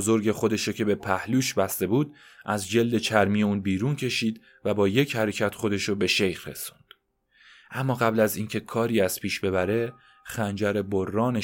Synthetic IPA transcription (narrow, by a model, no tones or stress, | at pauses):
zo̞ɾɟe̞χo̞d̪e̞ʃocʰe̞be̞pʰæhluːʃbæst̪e̞buːd̪ | ʔæzd͡ʒe̞ld̪e̞t͡ʃʰæɾmiːjeuːnbiːɾuːncʰe̞ʃiːd̪ | væbɒːje̞cʰhæɾecʰæt̪χo̞d̪e̞ʃobe̞ʃe̞jxɾe̞̰su̥nd̪̥ | ʔæmːɒːɣæblæziːncʰe̞kʰɒːɾiːæz̥pʰiːʃbe̞βæɾe̞ | xænd͡ʒæɾeborːɒːne